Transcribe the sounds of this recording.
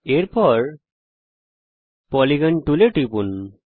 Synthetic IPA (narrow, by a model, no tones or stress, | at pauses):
eɾpɔɾ | pɔliɡanʈuleʈipun